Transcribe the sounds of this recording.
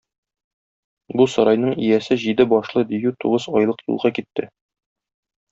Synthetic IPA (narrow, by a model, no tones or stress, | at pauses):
busɒɾɑjnɤɴijæsɘʑid̪ɘbɒʃlˠɤd̪ijʉt̪uʁɤzɒjlˠɤqjṵlˠʁɑkit̪ːɘ